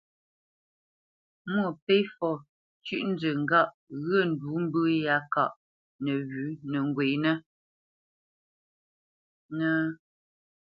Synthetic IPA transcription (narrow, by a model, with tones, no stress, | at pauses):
mwə˦˨pe˦jfɔ˨ | t͡ʃʉ˦˨ʔn̩˦d͡zə˨ŋ̩˦˨ɡa˦˨ʔ | ɣə˦˨n̩˨du˨˦m̩˦bə˦ja˨˦ka̰˨ʔ | nə˨ɣʉ˨˦nə˨ŋ˨ɡwe˨jnə˦ | nə˦